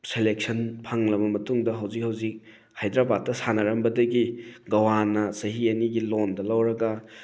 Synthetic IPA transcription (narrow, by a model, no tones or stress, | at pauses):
selek̚sɐnpʰɐŋlɐbɐmɐtuŋdɐɦawzik̚hawzik̚ | hajdɾabat̚tːɐsanɐɾɐmbɐdɐɡiɡɐwanɐsɐɦiɐniɡilondɐlɐwɾɐɡɐ